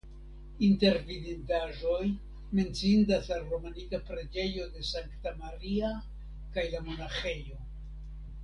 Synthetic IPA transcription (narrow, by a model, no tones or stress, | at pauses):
inte̞ɾvidintaʒo̞j | me̞nt͡siindaslalɾo̞manikapɾe̞d͡ʒe̞jo̞de̞saŋktamaɾia | kajlamo̞naxe̞jo̞